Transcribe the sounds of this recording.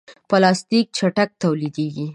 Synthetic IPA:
pəlɑst̪ik̚t͡ʃaʈak̚t̪awlid̪eɡi

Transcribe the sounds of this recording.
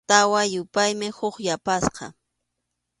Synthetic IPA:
t̪awajʊpajmɪhʊχjapasqɑ̰

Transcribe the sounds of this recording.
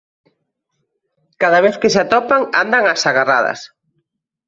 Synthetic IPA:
kaðaβ̞eθkesat̪ɔpaŋa̰nd̪aŋasaɣara̰ðɐ̰s

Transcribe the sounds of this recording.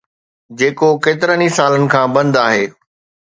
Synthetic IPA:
d͡ʑeːkokeːt̪ɪɾənisaːlənɪ̆kʰãːbɐ̃nd̪aːɦeː

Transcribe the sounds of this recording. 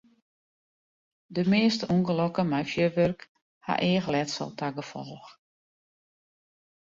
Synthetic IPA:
dəmeːstəuŋɡəlɔkəmɛjfjøʋørk | ha̰ʔɪəxlɛtsɔ̰lˠtʰaɡəfɔ̰lˠx

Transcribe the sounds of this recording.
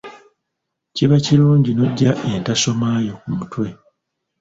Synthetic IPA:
ciβaciɾuːɲɟino̞ɟːaʔe̞ntaso̞maːjo̞kumutwe̞

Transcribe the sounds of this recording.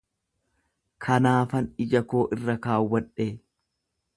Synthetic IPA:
kʰɐnaːfɐnɪd͡ʒɐko̞ːʔɪrːɐkaːwːɐᶑeː

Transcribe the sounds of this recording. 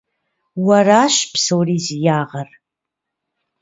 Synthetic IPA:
waraʃʷpʰsowrizjaʁar

